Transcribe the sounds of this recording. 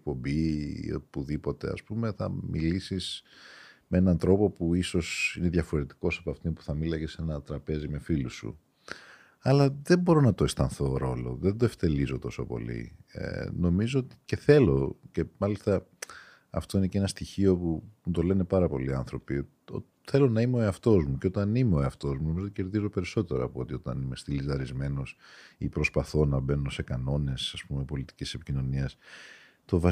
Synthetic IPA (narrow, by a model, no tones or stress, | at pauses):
ek̚po̞mbḭo̰puðipo̞t̪e̞̰ɐ̰spume̞θɐ̰milisis | mee̞nɐnt̪ɾo̞po̞puiso̞sine̞ðʝɐfo̞ɾe̞t̪i̥ko̞sɐpɐft̪inpu̥θɐmilɐcesenɐt̪ɾɐpe̞zime̞filusṵ | ɐlɐðembo̞ɾo̞nɐt̪o̞e̞st̪ɐnθo̞ɾo̞lo̞̰ðed̪o̞eft̪e̞lizo̞t̪o̞so̞po̞̰lḭ | no̞mizo̞ot̪i̥ce̞θe̞lo̞ce̞mɐlist̪ɐ | ɐ̰ft̪o̞ine̞ceenɐst̪içio̞pumut̪o̞le̞ne̞pɐɾɐpo̞liɐnθɾo̞pi | o̰ | θe̞lo̞nɐimeo̞e̞ɐft̪o̞zmuceot̪ɐnimeoeɐft̪o̞zmunomizoot̪iceɾðizo̞pe̞ɾiso̞t̪e̞ɾɐ̰ɐːpot̪io̞t̪ɐnime̞st̪ilizɐɾizme̞nosipɾo̞spɐθo̞nɐbe̞nose̞kɐno̞ne̞sɐspume̞po̞lit̪i̥cise̞picino̞niɐs | t̪o̞vɐ